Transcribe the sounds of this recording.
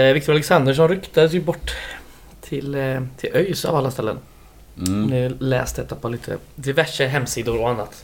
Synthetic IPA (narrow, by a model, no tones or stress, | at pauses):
vɪk̚t̪ʊɾalɛksand̪əʂ̬ɔmɾʏkt̪ad̪əsjɵbɔʈː | t̪ʰɪlt̪ʰɪlʔœjsa̰valːast̪ɛlːə̰n | mnɪlɛ̰ːst̪d̪ɛt̪ːapʰɔliːt̪ʰə̰d̪ɪvæʂəɦɛmːsiːd̪ʊɾɔanːat̪